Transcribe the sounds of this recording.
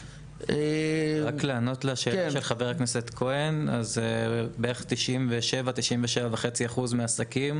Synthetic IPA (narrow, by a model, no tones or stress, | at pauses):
eʁakleːno̞tlaʃe̞ːlaʃelχaveʁakneset̪kʰo̞enazebeeχt̪iʃʔimveʃe̞vat̪iʃimveʃe̞vaveχet͡siaχuzmeasakim